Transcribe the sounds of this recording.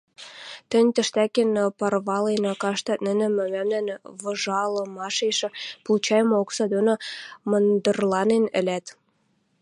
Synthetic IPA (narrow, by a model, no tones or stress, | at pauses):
t̪ə̆nʲt̪ə̆ʃt̪ækenpɑrβɑlenɑkɑʃt̪ɑt̪̚nə̆nə̆mɘ̆mæmnænβɤ̆ʒɑlɤ̆mɑʃeʃɘ̆pult͡ɕɑjmooksɑd̪onomɤnd̪ə̆rlɑnenə̰̆læt̪